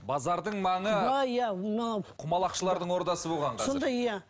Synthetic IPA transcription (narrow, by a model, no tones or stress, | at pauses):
bɑzɑɾd̪əɴmɑɴəɑjamnɑqʰʊmɑlˠɑqʃəlˠɑɾd̪əɴwo̞ɾd̪ɑsəbo̞lˠʁɑɴqʰsɑond̪ɑjjæ